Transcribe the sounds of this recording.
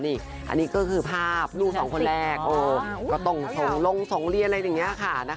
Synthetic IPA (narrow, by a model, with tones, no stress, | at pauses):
niː˧˩ | ʔa̰˧nːiː˦˥kɔː˥˩kʰɯː˧pʰaː˥˩p̚luː˥˩sɔː˩˦ŋkʰo˧nɾɛː˥˩k̚ʔoː˧˩kɔː˥˩t̪o˥˩ŋso˩˦ŋlo˧ŋso˨˩˦ŋɾi˧nʔa˧ɾa˧ja˨˩ŋːi˦˥˧kʰa˥˩na˦˥